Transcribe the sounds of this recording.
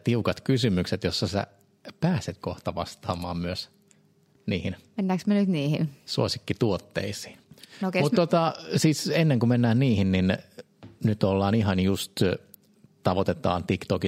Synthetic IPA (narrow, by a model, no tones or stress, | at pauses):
t̪iukɑt̪kysymykset̪josːɑsæ̰ | pæːset̪koht̪ɑʋɑst̪ɑːmˑɑːmmyøs | niːhinmenːæːksmenyt̪niːhḭnsuosi̥kːit̪uot̪ːḛisi̥ːnomut̪ːot̪ɑsiːsenːeŋkumenːæːnniːhinnin | nyt̪olːɑːnihɑnjust̪ | t̪ɑʋot̪et̪ɑ̰ːnt̪ikt̪oki